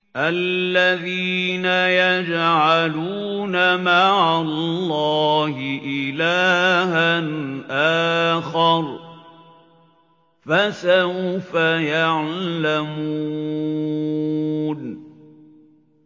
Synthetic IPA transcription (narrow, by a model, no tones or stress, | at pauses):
ʔalːaðiːnajad͡ʒʕaluː | namaʕallːɑːhɪʔɪlaːhanʔaːxɑɾˤ | fasawfajaʕlamuuː | n